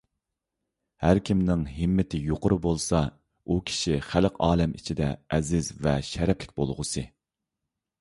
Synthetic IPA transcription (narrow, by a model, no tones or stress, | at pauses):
hæɾkʲʰimnɪŋɦɪmːɪt̪ʰɪjoqʊɾɨbolˠsɑ | ukʲʰi̥ʃiχælqɑːlˠɪmʔḭt͡ʃʰid̪ɛɛzɪzvɛʃɛɾɛpʰlɪk̚ʲbolˠʁʊsɨ